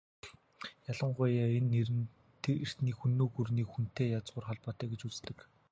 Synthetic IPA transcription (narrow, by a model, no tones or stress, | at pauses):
jaɮə̆ɴɢʊjaːenːeɾn | t̪r̥t̪niːkxunːoːxurniːkxun̥t̪eːjat͡sʁʊːrχɔɮpɔːt̪œːɡet͡ɕut͡st̪ɘ̆k